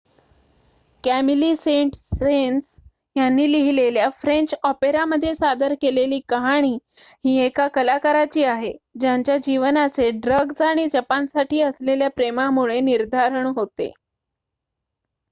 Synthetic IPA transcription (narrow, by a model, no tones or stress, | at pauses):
kæmiliːseɳʈsens | janːiːliɦileljafɾeɲt͡ɕɔpeɾaməd̪ʱːjesad̪əɾkeleliːkəɦaɽ̃iː | ɦiːekakəlakəɾat͡ɕiːaɦed͡ʑaɲt͡ɕjad͡ʑiʋnat͡seɖɾəɡsaɽ̃id͡ʑəpansaʈʰiːəsleljapɾemamuɭeniɾd̪ʱaɾəɳɦot̪ḛ